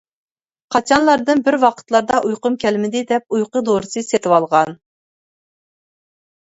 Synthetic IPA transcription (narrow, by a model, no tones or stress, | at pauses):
qʰɑt͡ʃʰɑnlˠɑɾd̪ɨnbɪɾwɑqʰə̥t̪lˠɑɾd̪ɑʔujqʊmkʲʰɛlmɪd̪ɪd̪ɛp̚ujqəd̪oɾɨsɨset̪ʰɪwɑlˠʁɑn